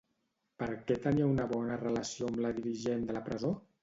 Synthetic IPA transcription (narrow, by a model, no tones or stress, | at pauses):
pəɾkɛt̪əniəunəβɔnərələsioəmləðiɾiʒend̪ələpɾəzo